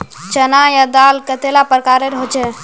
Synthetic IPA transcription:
t͡ʃənajad̪alkət̪elapəɾəkaɾeɾɦot͡ʃʰɛ

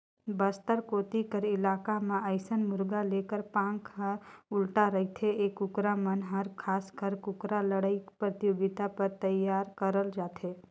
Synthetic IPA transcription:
bəst̪əɾkoːt̪ikəɾɪlaːkamãəɪsənmʊɾɡalekəɾpãŋkʰaʊlʈaɾəɦit̪ʰeeːkːʊkɾamənɦəɾkʰaːskʰəɾkʊkɾaləɽaipɾət̪joɡɪt̪apəɾt̪əjːaːɾkəɾəld͡ʒaːt̪ʰeː

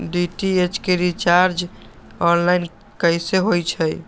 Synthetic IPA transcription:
ɖiʈiet͡ʃkeɾit͡ʃaɾd͡ʒ | ɔnlaɪn | kəjseɦojt͡ʃʰəj

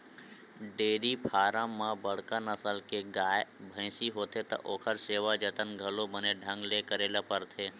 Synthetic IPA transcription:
ɖeːɾipʰaːɾãmːãbəɽ̤kãnəsəlkeɡaːjbʱə̃ɪ̃siɦoːt̪ʰet̪ɔ̰ʔoːkʰəɾseːʋad͡ʒət̪ənɡʱəlobəneɖʱə̃ŋɡlekəɾeːlapəɾt̪ʰe

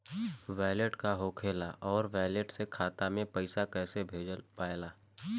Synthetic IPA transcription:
ʋaːleʈkaɦoːkʰeːlaʔɔːɾʋɛːleʈsekʰaːt̪amẽpəɪsakɛːsebʱeːd͡ʒəlpaːɪlaː

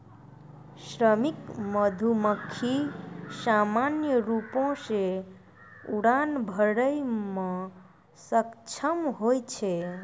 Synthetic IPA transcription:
sɾəmikməd̪ʱuməkʰːisamanjəɾupõse | uɽanbʱəɽəjme | səkt͡ʃʰəmɦojt͡ʃʰe

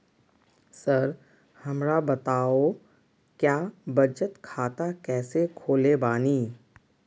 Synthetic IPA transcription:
səɾ | hɐmɾabɐt̪aːo | kjaːbɐd͡ʒət̪kʰaːt̪akɛːsekʰoːlebaːniː

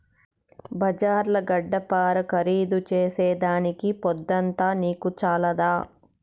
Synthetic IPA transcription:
bɐd͡ʒaːɾlɐɡɐɖːɐpaːɾɐkɐɾiːd̪ut͡ʃeːsɛːd̪aːnikipɔd̪ːɐnt̪aːniːkut͡ʃaːlɐd̪aː

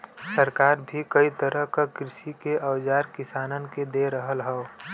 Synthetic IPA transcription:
səɾkaːɾbʱikɐit̪əɾəɦkakɾɪʃikeʔəwd͡ʒaːɾkɪsaːnənked̪eɾəɦəlɦɛo

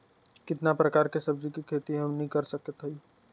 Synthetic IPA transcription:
kɪt̪napɾəkaːɾkesəb̚d͡ʒikikʰet̪iɦəmnəɦĩkəɾsəkət̪ɦəi

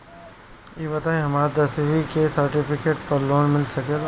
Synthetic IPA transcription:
jeːbɐt̪aːẽɦɐmaːɾd̪ɐsʋikesɐɾʈɪpʰɪkeːʈ̚pɐɾloːnmɪlsɐkel

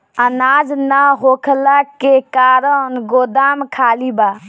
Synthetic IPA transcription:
ənad͡ʒnəɦokʰlakekaɾənɡod̪amkʰaliba

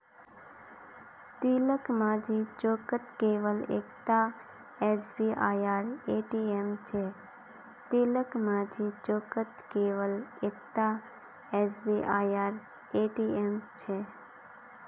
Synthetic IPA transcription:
t̪iləkmãd͡ʒit͡ʃokət̪keʋəlḛkt̪a | esbiʔaːjaːɾeʈiemt͡ʃʰe | t̪iləkmãd͡ʒit͡ʃokət̪keʋəlekt̪a | esbiʔajaɾ | eʈiemt͡ʃʰe

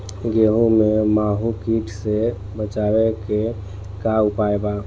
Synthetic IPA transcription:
ɡeɦũmemaɦukiʈʰse | bət͡ʃaweke | kaupaeba

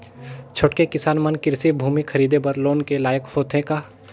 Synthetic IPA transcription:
t͡ʃʰoʈkekɪsaːnmənkɪɾsibʱuːmikʰɐɾiːd̪ebəɾloːnkelaːjəkfoːt̪ʰẽkaː

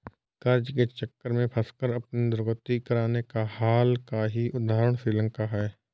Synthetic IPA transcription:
kɐɾd͡ʒket͡ʃəkːəɾmẽpʰɐskəɾɐpnid̪ʊɾɣət̪ikɐɾaːnekahaːlkaɦiʔʊd̪aːɦɾəɽ̃sɾiːlə̃ŋkaɦɛː

